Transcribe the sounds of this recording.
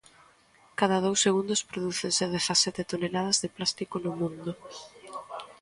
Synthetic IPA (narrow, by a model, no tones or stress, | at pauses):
kaðɐð̞owsːeɣund̪ʊspɾoðuθenseðeθasɛt̪et̪onelað̞ɐzðeplast̪ikonʊmũnd̪ʊ